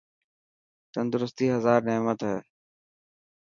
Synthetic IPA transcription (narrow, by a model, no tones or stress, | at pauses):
t̪ənd̪ʊɾʊst̪iːɦəzaːɾneːmət̪ɦɛː